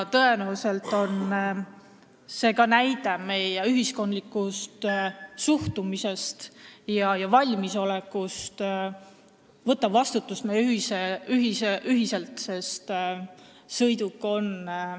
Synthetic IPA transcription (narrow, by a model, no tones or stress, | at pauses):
t̪ɤe̞næuse̞lt̪ːˑo̞n | se̞ːkɑnæjd̪eme̞jeyɦisko̞nd̪likːˑust̪suht̪umise̞st̪jɑjɑvɑlʲmiso̞lekːˑust̪ | vɤt̪ːˑɑvɑst̪ut̪ːˑust̪mejyiseyɦiseyɦise̞lt̪se̞st̪ | sɤjd̪ukːˑo̞n